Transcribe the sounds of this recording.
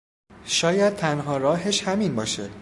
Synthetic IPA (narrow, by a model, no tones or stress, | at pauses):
ʃɒːjæd̪̥̚t̪ʰænɦɒːɾɒːɦeʃhæminbɒːʃe